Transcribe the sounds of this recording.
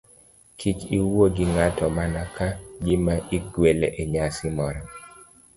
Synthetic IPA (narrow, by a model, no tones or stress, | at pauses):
kʰit͡ʃiwoɡɪŋatɔmanakad͡ʒɪmaʔiɡweleʔeɲasɪmɔɾɔ